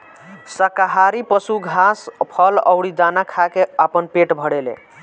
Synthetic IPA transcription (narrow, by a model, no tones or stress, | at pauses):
səkaɦaɾipəsuɡʱaspʰələ̰ʊɽid̪anakʰakeəpənpeʈbʱəɽelḛ